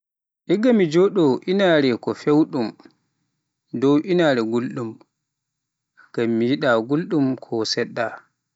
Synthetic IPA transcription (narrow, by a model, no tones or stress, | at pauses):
ʔɛɡamːid͡ʒɔɗɔʔinaːɾɛkɔfewɗum | dɔwʔinaːɾɛɡulɗum | ɡ̥amːijiɗaɡulɗumkʰɔsɛɗːa